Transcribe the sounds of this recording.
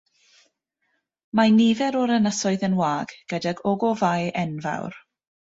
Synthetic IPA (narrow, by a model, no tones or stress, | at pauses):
manivɛɾɔɾənəsɔɨðənwaːɡ̥ɡ̥ədɛɡɔɡɔvajʔɛnva̰wr